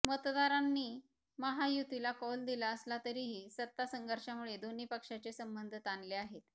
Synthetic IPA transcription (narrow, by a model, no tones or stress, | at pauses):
mət̪d̪aɾanːiː | məɦajut̪ilakɔld̪ilaəslat̪əɾiːɦiːsət̪ːasəŋɡʱəɾʂjamuɭed̪oniːpəkʂat͡sesəmbənd̪ʱt̪anleaɦet̪